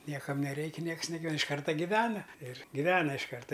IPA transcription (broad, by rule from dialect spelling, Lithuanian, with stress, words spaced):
ˈnʲiɛkɐm nʲɛˈrʲɛɪkʲɪ ˈnʲiɛks nʲɛˈɡɐlʲ ɪʃ ˈkɐrtɐ ɡʲɪˈʋʲæːnɐ ɪr ɡʲɪˈʋʲæːnɐ ɪʃ ˈkɐrtɐ